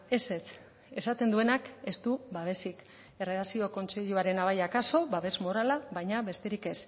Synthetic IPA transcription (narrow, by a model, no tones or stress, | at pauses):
e̞se̞t͡s | e̞sat̪e̞nd̪ue̞nake̞st̪uβaβ̞e̞sik | e̞re̞ðasio̞ko̞nt͡se̞ʎuaɾe̞naβajakaso̞βaβe̞zmo̞ɾalaβajɲaβe̞st̪eɾike̞s